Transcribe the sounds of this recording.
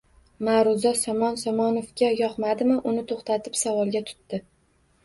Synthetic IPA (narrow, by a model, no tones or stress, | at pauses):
maɾʊzɒsɒmɒnsɒmɒnofɡʲajɒqmad̪ɪmɪʔʊnɪt̪ʰoχt̪at̪ʰɪpsavɒlˠɡʲat̪ʰʊ̥t̪ːɪ